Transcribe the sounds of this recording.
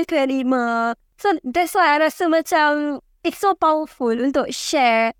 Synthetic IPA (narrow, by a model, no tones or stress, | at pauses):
kɛ̃nimək̚ | sod̪ɛtswajaɾasəmat͡ʃãm | ɪtsopawəfulũnt̪ʊk̚ʃɛ